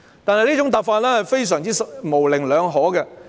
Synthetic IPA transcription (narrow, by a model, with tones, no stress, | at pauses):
t̪aː˨nhɐ˨jliː˥t͡sʊ˨˥ŋt̪aː˨p̚faː˧t̚lɛː˥hɐ˨jfe˥js̬œː˨˩ŋt͡siː˥smo˨˩wlɪ˨˩ŋlœː˨˧ŋɦɔː˨˥ɡɛ˧